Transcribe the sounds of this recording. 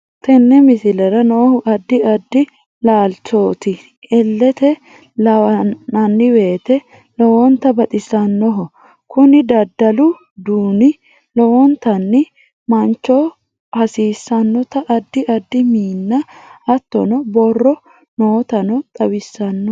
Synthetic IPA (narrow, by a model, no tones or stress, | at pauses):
t̪ɛnːɛmɪsɪlɛɾɐnoːhʊʔɐd̪ːɪɐd̪ːɪ | laːlt͡ʃoːt̪ɪ | ɛlːɛt̪ɛ | lɐɐnɐnːɪwe̞ːt̪ɛ | lɔwɔnt̪ɐbɐt̪ʼɪsɐnːɔɦɔ | kʊnɪd̪ɐd̪ːɐlʊ | d̪uːnɪ | lɔwɔnt̪ɐnːɪ | mɐnt͡ʃːɔ | hɐsiːsːɐnːɔt̪ɐʔɐd̪ːɪɐd̪ːɪmiːnːɐɐt̪ːɔ̰nɔbɔrːɔ | noːt̪ɐnɔt̪ʼɐwɪsːɐnːɔ